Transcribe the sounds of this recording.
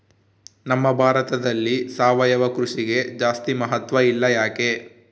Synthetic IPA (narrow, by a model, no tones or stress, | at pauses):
nɐmːɐbʱaːɾɐt̪ɐd̪ɐlːisaːʋɐjɐʋɐkɾuʂiɡe̞d͡ʒaːst̪imɐɦɐt̪ʋɐilːɐjaːke̞